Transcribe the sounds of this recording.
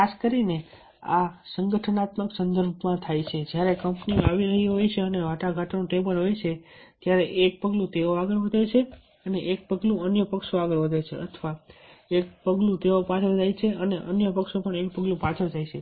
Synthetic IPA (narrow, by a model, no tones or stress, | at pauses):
kʰaskəɾine | a̰səŋɡəʈʰənat̪məksənd̪əɾbʱmãt̪ʰajt͡ʃʰed͡ʒjaɾekəmpniõaʋiɾəɦiɦojt͡ʃʰeəneʋaʈaɡʱaʈanũʈebəlɦojt͡ʃʰe | t̪jaɾeʔek̚pəɡlũt̪eoaɡəɭʋəd̪ʱajt͡ʃʰe | əneʔek̚pəɡlũənjəpəkʃoaɡəɭʋəd̪ʱajt͡ʃʰeʔə̰t̪ʰʋaek̚pəɡlũt̪eopãt͡ʃʰəd͡ʒajt͡ʃʰeəneʔənjəpəkʃopəɳek̚pəɡlũpãt͡ʃʰəd͡ʒajt͡ʃʰe